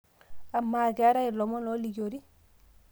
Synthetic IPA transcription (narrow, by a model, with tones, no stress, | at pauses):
a˨mːaː˨ɡɛa˦ɾa˦ilɔ˨mɔ˦nɔ˦liɟoɾi